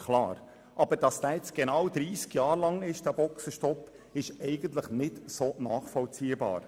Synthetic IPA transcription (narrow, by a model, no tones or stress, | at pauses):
kʰlɑ̰ːɾ | ʔɑb̥əɾd̥ɑsd̥æːjɛt͡sɡ̥enɑwd̪ɾiːskjɑːɾlɑŋɪʃd̥æb̥ɔksəʃtɔpː | ɪʃɛɪɡ̥ənt̪ləχnɪtsoːnɑːχfɔlt͡siːəbɑ̰ːɾ